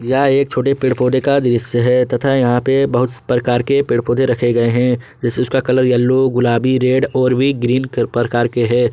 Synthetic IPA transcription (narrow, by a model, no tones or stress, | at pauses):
jaeːk̚t͡ʃʰoːʈepɪɽpoːd̪ekad̪ɪɾɪsːəɦɛt̪ɐt̪ʰajɐɦãpebɐɦʊt̪spɾɐkaːɾkepɪɽpoːd̪ẽɾɐkʰeɡɐeɦɛ̃ | d͡ʒɛːseʊskakɐləɾjɐlːoɡʊlaːbiɾeːɖɔːɾbʱiɡɾiːnkpɾəkaːɾkeɦɛ̃ː